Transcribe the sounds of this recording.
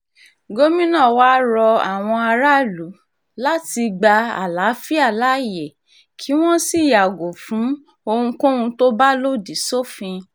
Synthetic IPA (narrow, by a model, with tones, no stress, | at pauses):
ɡo˦mĩ˦nã˦˨waː˦ɾɔ˧a˨w̃ɔ̃˧a˧ɾa˦lu˨˦ | la˦ti˧ɡ͡ba˧a̰˨la˨˦fi˦a˦˨la˨˦jɛ˨ | kʰi˨˦w̃ɔ̃˦si˦˨ja˨ɡo˨fũ˨˦ | o˧hũ˧kõ˦ũ˧to˦ba˦lo˦di˨so˦˨fĩ˧